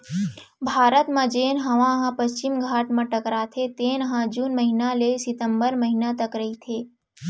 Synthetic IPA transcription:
bʱaːɾət̪mãd͡ʒeːnɦɐʋãɦãpəst͡ʃɪmɡʱaːʈmãʈəkɾaːt̪ʰet̪eːnəɦãd͡ʒuːnməɦinalesɪt̪əmbəɾməɦinat̪əkɾəɦit̪ʰeː

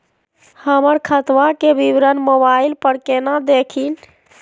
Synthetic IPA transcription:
həməɾkʰət̪ʋakebibɾənmobailpəɾkenad̪ekʰin

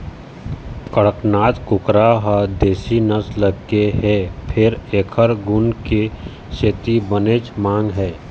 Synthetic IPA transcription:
kəɽəknaːt̪kʊkɾaɦəd̪eːsinəsləɡkeɦɛːpʰɪɾeːkʰəɾɡʊnke | ʃeːt̪ibənet͡ʃmãːŋɡɦɛː

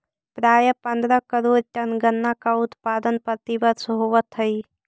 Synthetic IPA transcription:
pɾaːjəpənd̪ɾəkəɾoːɾʈɐnɡənːakaʊt̪paːd̪ənpət̪ibəd̪səɦoʋət̪ʰːəi

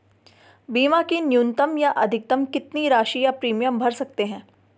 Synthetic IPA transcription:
biːmãkinjuːnt̪əmjaʔɐd̪ʱɪk̚t̪əmkɪt̪niɾaːʃijapɾiːmijəmbʱɐɾsɐkt̪eɦɛ̃ː

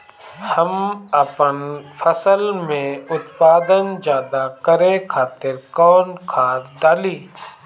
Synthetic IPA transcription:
həməpənfʰəsəlmẽʊt̪paːd̪ənd͡ʒjaːd̪akəɾẽkʰaːt̪ɪɾkɔːnkʰaːɾd̪aːliː

